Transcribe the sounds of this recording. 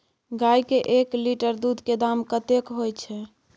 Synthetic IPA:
ɡajkeʔekliʈəɾd̪ud̪ʱked̪amkət̪ekɦojt͡ʃʰɛ

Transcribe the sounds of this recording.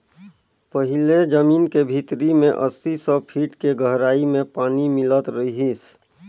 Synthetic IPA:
pəɦɪled͡ʒəmiːnkebʱit̪ɾimẽʔə̰sisɔpʰiːʈkeɡʱəɦɾaːimẽpaːnimɪlət̪ɾəiɦis

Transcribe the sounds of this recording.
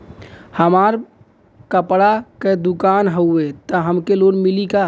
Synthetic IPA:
həmaɾ | kəpɽaked̪ukanɦəuet̪əɦəmkelonmilika

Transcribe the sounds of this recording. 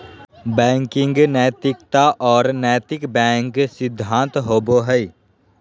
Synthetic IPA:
bɛ̃ːŋkɪ̃ŋɡnɛːt̪ɪkt̪aʔɔːɾnɛːt̪ɪkbɛ̃ːŋksɪd̪ʱːãːnt̪ɦoːboɦəi

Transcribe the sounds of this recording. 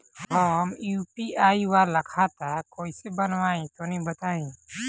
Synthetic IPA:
ɦəmjupiaːiwaɾləkʰat̪akoːisebənwaẽt̪onɦĩbət̪aːĩ

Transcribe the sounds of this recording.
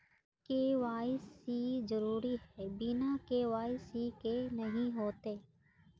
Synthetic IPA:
keːʋaːɪsizəɾuːɾiɦɛːbinakeːʋaːɪsikenɐɦĩɦoːt̪eː

